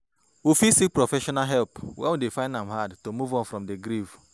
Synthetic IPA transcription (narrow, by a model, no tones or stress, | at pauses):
wifisik̚pɹofɛʃɔnaɦɛlpwɛ̰̃nwidefãɪ̃ndãmɦadtomuvɔ̃nfɹɔ̃mdeɡɾiv